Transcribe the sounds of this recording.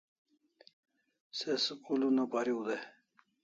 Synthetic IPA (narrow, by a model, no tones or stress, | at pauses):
seskulunopaɾiud̪e